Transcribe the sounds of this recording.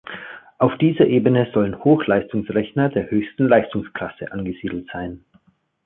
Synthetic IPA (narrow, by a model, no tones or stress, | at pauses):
ʔaʊfd̥iːzɐʔeːbənəzɔlənhoːxlaɪstʊŋsʁɛçnɐdeːɐhøːçstn̩laɪstʊŋskl̥asə̰ʔanɡəz̥iːdl̩tz̥aɪn